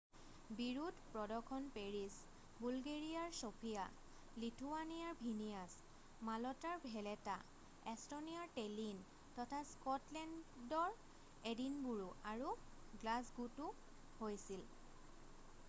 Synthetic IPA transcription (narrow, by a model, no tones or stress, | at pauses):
biɹudpɹɔdɔkʰɔnpeɹis | bulɡeɹijaɹsopʰija̰ | litʰuwanijaɹbʱinijas | malɔtaɹbʱɛlɛta | ɛstoniaɹtelin | tɔtʰaskɔtlɛndɔɹ | edinbuɹuʔaɹu | ɡlasɡutu | hojsil